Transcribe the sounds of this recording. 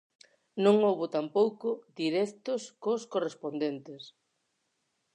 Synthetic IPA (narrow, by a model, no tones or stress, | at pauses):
nõŋowβʊt̪ampowkʊd̪iɾɛkt̪ʊskoskorespond̪ent̪ɪs